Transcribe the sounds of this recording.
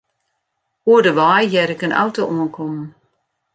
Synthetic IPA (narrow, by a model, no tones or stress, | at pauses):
huədəʋajjɛɾɪkənʔa̰wtoʔuənkʰɔm̩